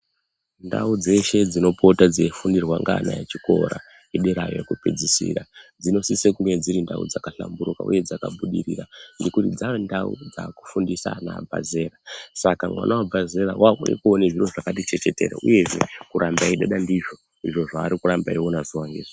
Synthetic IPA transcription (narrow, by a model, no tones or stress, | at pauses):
nda̰ud͡ze̞ʃe̞d͡zino̞pʰo̞tad͡zefundirwaŋɡaːna̰jet͡ʃiko̞ɾa̰ | iɗeɾajjekuped͡zisḭrad͡zino̞sisekuŋwed͡ziɾinda̰ṵd͡zakaɬa̰mbuɾuka̰ṵje̞d͡zakaɓuɗiɾirandikutid͡zaʋendaṵd͡za̰ku̥fundisa̰naːbʱa̰ze̞ːrasakamwa̰nʔawabʱaze̞ɾawaunḛkuoneʐiro̞ʐakat̬it͡ʃe̞t͡ʃe̞te̞ːɾa̰ʔṵje̞ʐe̞̰kuɾʔambaiɗaɗandiʐo̞ | iʐo̞ʐaːɾikuɾambaiwonaziwaŋɡeːʐi